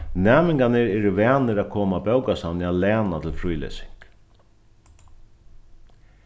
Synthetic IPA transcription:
nɛːmɪŋkanɪɾɛɾɪʋɛːnɪɾakʰoːmabɛwkasanɪalɛːnat̪ʰɪlfɾujlɛ̰sɪ̥ŋk

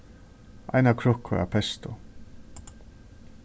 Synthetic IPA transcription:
a̰jnakʰɾʊhkʰːʊɾa̰pʰɛst̪ʊ

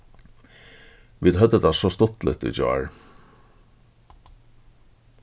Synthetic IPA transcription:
ʋiːd̪ɦœd̪ət̪ʰasɔst̪ʊt̪lɪ̰t̪ɪ̰d͡ʒɔ̰aɹ

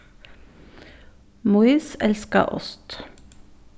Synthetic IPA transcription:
mʊiːsɛlskə̰ʔɔ̰st̪

